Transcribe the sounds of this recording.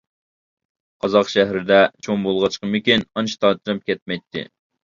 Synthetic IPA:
qʰɑzɑqʃɛɦɾɪd̪ɛt͡ʃʰoŋbolˠʁɑt͡ʃqəmɪkʲinɑnt͡ʃʰt̪ʰɑt̪ɨɾɨp̚kʲʰɛt̪̚mɛjt̪ʰːɪ̰

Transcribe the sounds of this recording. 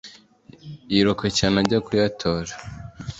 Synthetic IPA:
jiɾokecanaɟakujatʰoɾa

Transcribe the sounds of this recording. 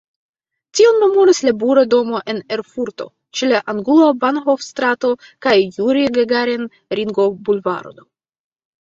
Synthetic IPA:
tionːumuɾislabuɾado̞mo̞ʔe̞ne̞ɾfuɾto̞̰ | t͡ʃelaʔaŋɡulabanɦofstɾato̞kajːuɾiɡeɡaɾen | ɾiŋɡo̞bulva̰ɾo̰d̪o

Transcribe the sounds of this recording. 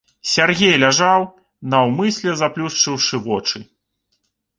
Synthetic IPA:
sʲarɣʲejlʲaʐaw | nɐwmɨsʲlʲɛzaplʲust͡ʂɨwʂɨvɔt͡ʂɨ

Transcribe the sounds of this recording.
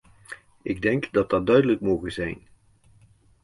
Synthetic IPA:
ɪɡ̚dɛŋkdɑt̚dɑt̚dœɥdələkmowɣənzɛjn

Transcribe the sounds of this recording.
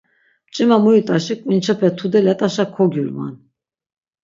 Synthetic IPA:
t͡ʃʼɛmamɔjut̪ʼaʃɛkʼmint͡ʃʰɛpʰɛt̪ʰud̪ɛlat̪ʼaʃakʰɔɡjulma̰n

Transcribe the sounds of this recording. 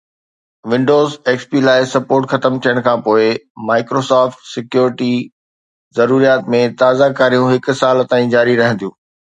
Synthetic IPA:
ʋɪ̃ɳɖoːzeːkspilaːɪsɐpoːɾʈxɐt̪əmt̪ʰijəɽ̃kʰãːpoːɪmaːɪkɾoːsaːfʈsɪkjuːɾɪʈi | zɐɾuːɾijaːt̪mẽt̪aːzakaːɾijũɦɪkʊ̆saːlt̪aːĩd͡ʑaːɾiɾɐɦə̃n̆d̪ijũː

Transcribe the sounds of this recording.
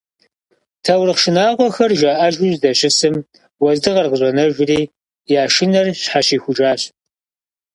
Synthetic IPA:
tʰɐwrɨqʃɪnaːʁʷɔxɐrʒaːʔɐʒʊʑdɐɕʼɪsɨm | wɐzdɨʁɐrʁəʑʷʼɐnɐʒʷʊriː | jaːʃɪnɐrɕħaɕiːxʷʊʒaːɕ

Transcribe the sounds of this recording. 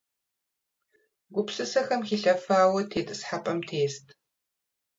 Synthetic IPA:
ɡʷʊpsɨsɐxɐmxiːɬɐfaːwɐtʰeːtʼɨsħapʼɐmtʰeːstʰʼ

